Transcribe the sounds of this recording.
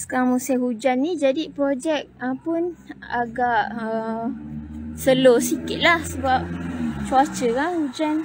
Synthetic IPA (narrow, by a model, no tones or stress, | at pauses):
sə̥kaamusɛɦud͡ʒanːĩd͡ʒadipɾod͡ʒɛk̚əpʊnaɡaʔə | səlosikɪt̪̚lahsəbap̚t͡ʃuat͡ʃəkanhud͡ʒan